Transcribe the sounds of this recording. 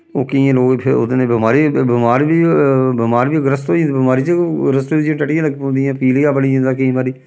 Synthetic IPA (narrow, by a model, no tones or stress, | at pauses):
oːkiãːloːɡpʰɪʊ̰d̪nẽːbɪmaːɾiːbɪmaːɾbiːbɪmaːɾbiːɡɾəst̪oːĩnd̪bɪmaːɾiːt͡ʃeɾəst̪oːid͡ʒãʈəʈɪjãːləɡpõːnd̪ijãːpiːlɪjãːpəɽiĩːnd̪aːkiĩmaːɾiː